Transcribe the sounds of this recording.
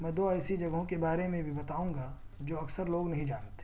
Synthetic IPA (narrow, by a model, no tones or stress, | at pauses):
mɛ̃ːd̪oːɛɪsid͡ʒɐɡɦõkebaːɾemẽbʱibɐt̪aːũŋɡa | d͡ʒoːɐksəɾloːɡnɐɦĩd͡ʒaːnt̪e̥